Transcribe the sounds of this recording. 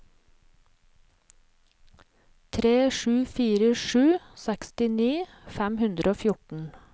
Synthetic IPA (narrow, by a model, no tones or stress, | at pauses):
t̪ʰɾeːʃʉːfiːɾəʃʉːsɛkst̪ɪniː | fæmhʉnd̪ɾʔoːfjʊʈɳ̩